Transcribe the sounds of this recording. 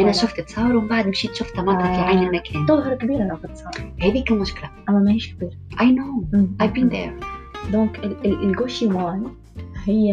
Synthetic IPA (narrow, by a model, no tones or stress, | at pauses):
ʔænæʃʊft̪ɪt̪sˤɑːɾwɪmbaʕd̪ɪmʃiːt̪ʃʊft̪ːɑmɑːfilʕajnɪlmækʰɛːnt̪ːoɦɪɾˤkbiːɾalafɪt̪ːsˤɑːhæːðikælmʊʃkɪlaʔæmːæmæhiːʃkbiːɾʔajnoːʔajvbiːnd̪ḛɾd̪ɔ̃ːkɪɪɪlɡoːʃimaːn | hɪjː